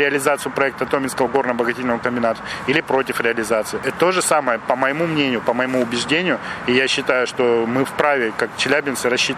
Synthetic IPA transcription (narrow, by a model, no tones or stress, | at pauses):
ɾʲɪɐlʲɪzat̪sɨjʊpɾɐɛk̚t̪əɐt̪omʲɪnskəvəɡo̞rnəbəɡɐtʲetʲlʲnəməkəmʲbʲɪnat̪ə̥ilʲɪpɾo̞tʲɪfɾʲɪɐlʲɪzat̪sɨɪʔɛt̪t̪oʐɨsaməjəpəməjɪmumnʲenʲɪjʊpəməjɪmuʊbʲɪʐdʲenʲɪjʊijaɕːɪt̪ajʊʂt̪o̞mɨfpɾavʲɪkakt͡ɕɪlʲæbʲɪnsɨɾɐɕːit̪